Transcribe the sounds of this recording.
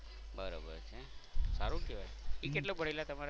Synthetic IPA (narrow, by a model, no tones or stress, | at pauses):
bəɾa̰bə̰ɾt͡ʃʰesaɾũkeʋajikeʈlobʱəɽilat̪əmaɾ